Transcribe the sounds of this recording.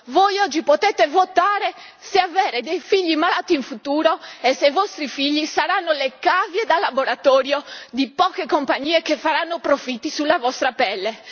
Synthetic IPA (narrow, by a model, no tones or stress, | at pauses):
vojɔd͡ʒːipot̪ɛt̪evot̪aːɾe | seavɛːɾed̪ejfiʎːimalaːt̪iiɱfut̪uːɾoesevɔst̪ɾifiʎːisaɾanːolekavjed̪alːaboɾat̪ɔːɾjod̪ipɔːkekompaɲːiːekefaɾanːopɾofit̪ːisulːavɔst̪ɾapɛlːe